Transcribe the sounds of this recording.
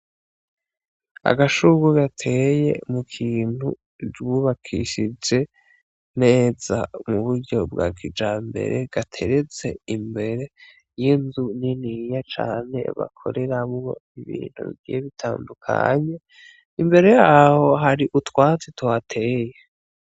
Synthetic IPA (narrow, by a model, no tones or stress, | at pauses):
a̰ɡaʃuɡuɡatʰe̞je̞̰mukʰiːn̥hṵ | d͡ʒuβakʰḭʃid͡ʒe̞ | n̥e̞ːza̰muβuɾɟo̞bɡa̰kid͡ʒaːmbe̞̰ɾe̞̰ɡ̥atʰe̞ɾet͡se̞imbe̞ɾe̞ | jinzuninijat͡ʃa̰ːne̞̰βa̰kʰo̞̰ɾe̞ɾamwo̞̰iβḭːn̥hṵβḭɡḭjeβitʰaːndukʰa̰ɲe̞ | imbe̞ɾe̞jaːho̞ɦaɾiʔutwaːt͡setwatʰe̞ːje